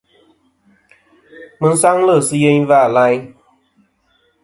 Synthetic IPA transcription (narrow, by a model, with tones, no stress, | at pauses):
mɨ˧n̩˦sa˦ŋlə˦˨sɨ˦je˦ɲvaː˦˨la˧˦ɲ